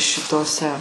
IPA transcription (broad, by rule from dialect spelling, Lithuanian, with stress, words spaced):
ʃʲɪˈtoːsʲɛ